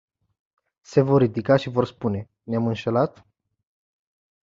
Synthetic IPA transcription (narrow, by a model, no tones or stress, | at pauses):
se̞vo̞rːid̪ikaʃivo̞rspune̞ | neamɨnʃe̞lat̪